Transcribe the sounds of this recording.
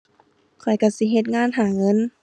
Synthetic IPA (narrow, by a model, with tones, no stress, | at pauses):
kʰɔ˨˩jka˧˩si˧˦ɦe˧t̪̚ŋaː˧˥˨nɦaː˨˩ŋɤ˧˥˨n